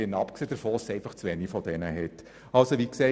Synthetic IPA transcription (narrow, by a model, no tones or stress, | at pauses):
ɪnɑpkseːd̥əɾfoːsɛɪnfɑχt͡sʋɛnifɔdɛnəɦɛtː | ɑlsoʋikse